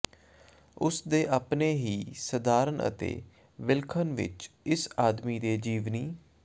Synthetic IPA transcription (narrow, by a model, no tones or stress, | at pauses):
ʊsd̪eːʔapneːɦiːsəd̪aːɾənə̰t̪ḛː | ʋɪlkʰənʋɪ̰t͡ʃɪsaːd̪miːd̪eːd͡ʒiːʋniː